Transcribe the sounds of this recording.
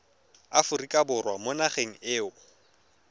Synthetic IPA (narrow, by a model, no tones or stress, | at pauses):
afʊrikʼabʊrwamʊnaχeŋ̩ɪːʊ